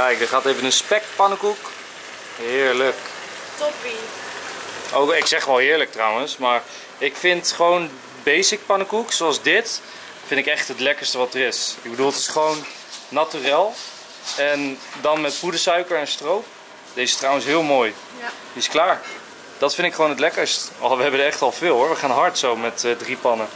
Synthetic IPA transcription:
kɛjk̚dəχaːtevənənspɛkpɑnəkuk | ɦɪːɹlək | tpi | ʔowɪksɛχʋɛlˠɦɪːɹlək̚trawənsmaːɹ | ɪkfɪntχəʋown | bejsɪk̚pɑnəkuksoɑlˠzdɪt | fɪndɪkɛχtɦətlɛkəɹstəʋɑtərɪsɪɡbədulˠtɪ̥sχəʋownː | atyrɪːlˠ | ɛndɑnmɛtpudəsœɥkəɹɛnstrowp | d̥ezəstrawənsɦɪːlˠmoːj | diɪsklaːɹ | d̥ɑtfɪndɪkχəʋownətlɛkəɹstɔʋəɦɛbəndəɛχtɑlˠvɪːlˠɦʊːɹʋəχaːnɦɑɹtsowmɛtdripɑnə

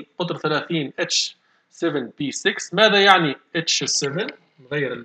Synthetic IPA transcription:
qʊd̪ɾˤθælæːθiːnʔɪt͡ʃ | sɛvənbiːsɪksmæːðæjaʕniʔɪt͡ʃsɛvən | nɣajːɪɾɪl

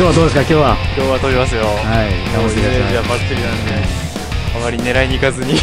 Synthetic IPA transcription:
oːβad̪oːd̪esɨ̥kakʲo̞ːβakʲo̞ːβat̪o̞βʲimasɨjohaiamiaajabakt̪ːɯɾʲinãnd̪e̞ | amaɾʲine̞ɾaiɲ̟ikazɨɲ̟i

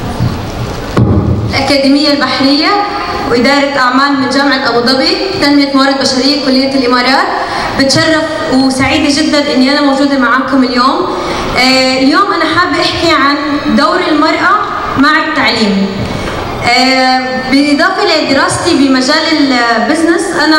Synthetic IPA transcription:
ɪlʔakaːd̪iːmɪjːalbaħɾɪjːa | wʔɪd̪ɑːɾˤɑt̪ʔaʕmaːlmɪnʒaːmaʕɪlʔɑbd̪ˤɑbi | t̪anmɪjat̪mɑrˤːɑd̪̚baʃaɾɪjːakʊlːɪjːaɪlʔɪmɑːɾˤɑːt̪̚ | bɪt̪ʃɑrˤːɑf | wsaʕiːd̪aʒɪd̪ːanʔɪnːiʔanamowʒuːd̪amaʕaːkʊmɪljoːmː | ljoːmʔanaħaːbːʔɪħkiʕand̪owɾɪlmɑɾˤʔa | maʕɪt̪ːaʕliːm | bɪlʔɪd̪ˤɑːfɑʔlad̪ɪɾɑːst̪ibɪmaʒaːlɪlbɪznɪsʔana

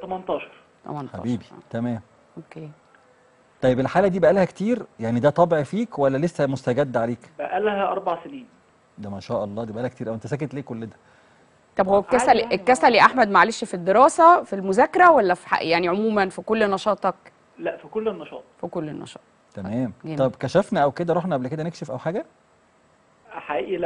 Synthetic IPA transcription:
t̪ɑmɑnt̪ˤɑːʃɑ̥ɾˤ | t̪ɑ̰mɑnħa̰biːbit̪æmæːm | ʔokeː | t̪ˤɑjebelħaːlæd̪iːbæʔælhækt̪iːɾjaʕnid̪æt̪ˤɑbeʕfiːkwælːælesːæmost̪æɡæd̪ːʕaleːkbæʔælhæʔɑ̰ɾˤbɑʕseniːn | d̪æmæʃæːʔɑlˤːɑːd̪ibæʔælhækt̪iːɾʔæwʔent̪æsæːket̪leːkolːed̪æ̥ | t̪ˤɑbhowːækːæsæliʔekːæsæliʔaħmæd̪maʕaleʃfid̪ːeɾɑːsæfilmozæːkːeɾˤæwælːæfi̥ħa̰jaʕniʕomuːmænfikolːnɑʃɑːt̪ˤɑk | læʔfikolːenːɑʃɑ̰ːt̪̚ˤfikolːenːɑ̰ʃɑ̰ːt̪ˤ | t̪æmæːmˤɑbkæʃæfnæʔæwked̪æɾˤoħnæʔablk̬ed̪ænekʃefʔæwħaːɡæ | ħaʔḭːʔilæ

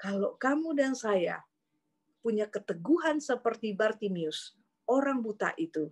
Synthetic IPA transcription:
kalokamudansaja̰ | puɲakət̪əɡuɦansəpərt̪ibart̪imiʊs | oɾaŋbut̪a̰ʔit̪u

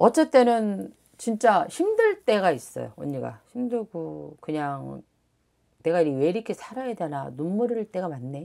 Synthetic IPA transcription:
ʌt͡ɕ͈e̞t͈e̞nɯn | t͡ɕint͡ɕ͈aɕʰimdɯɭt͈e̞ɣais͈ʌ̰jo̰oɲːiɡa̰ɕʰimdɯɭɡokɯɲaŋ | ne̞ɡaiɾiwe̞ɾikʰisʰaɾajedena̰numːuɾɯɭt͈e̞ɡamanːe̞

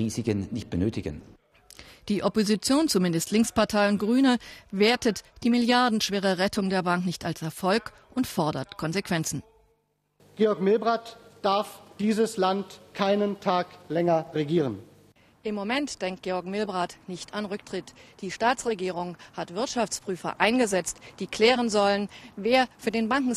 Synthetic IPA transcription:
iːzɪkənnɪçt̚b̥ənøːtɪɡə̰n | d̥iːʔɔpozit͡sjoːnt͡sumɪndəstʰlɪŋkspaɐtʰaɪʊnt̚ɡ̥ʁyːnəveːɐtətd̥iːmɪljaɐdn̩ʃv̥eːʁəʁɛtʰʊŋdeːɐbaŋknɪçtalsɛɐfɔlk | ʔʊntfɔɐdɐtkʰɔnzekv̥ɛnt͡sn̩ | ɡ̥eːɔɐkmɪlbʁaːtd̥aɐfd̥iːzəslantkʰaɪnəntʰaːklɛŋɐʁeɡiːʁən | ʔɪmːomɛntd̥ɛŋk̚t̚ɡ̥eːɔɐkmɪlbʁaːtnɪçtʰanʁʏktʁ̥ɪtd̥iːʃtaːt͡sʁ̥eɡiːʁ̞ʊŋhatv̥ɪɐtʃaft͡spʁ̥yːfɐ̰ʔaɪnɡəzɛt͡std̥iːkl̥ɛːʁənzɔlənveːɐfyːɐdeːnbaŋkŋ̩

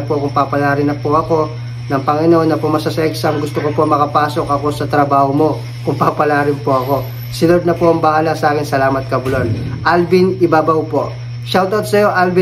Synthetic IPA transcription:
ɐpokʊŋpapɐlaːɾɪnɐpoʔɐko̞ | nɐŋpɐŋɪno̞nːɐpomɐsɐsɐʔɛksɐmɡʊst̪okopomɐkɐpaːso̞kʔɐko̞sɐt̪ɾɐbaːhomo̞ | kʊŋpaːpɐlaːɾɪnpoʔɐko̞ | sɪnod̪̚nɐpo̞ɐŋbɐhaːlɐsɐʔaːkɪnsɐlaːmɐt̪̚kɐbʊlonʔalbinɪbaːbɐwpo̞̰ʔ | ʃɐwt̪od̪̚sɐjo̞ʔalbɪ

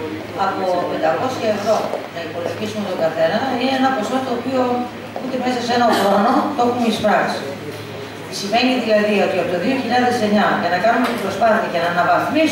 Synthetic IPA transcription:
ɐpo̞pe̞nd̪ɐko̞siɐe̞vɾo̞nɐipo̞loçisume̞t̪oɡɐθe̞nɐineenɐpo̞so̞t̪oːpio̞ | ut̪e̞me̞sɐse̞nɐɣono̞t̪o̞xumeispɾɐksi̥ | isime̞niðilɐðio̞t̪iɐpot̪oðio̞çiʎɐðe̞se̞ɲɐʝɐnɐkɐnumet̪ibɾo̞spɐθiɐcenɐnɐvɐfmi

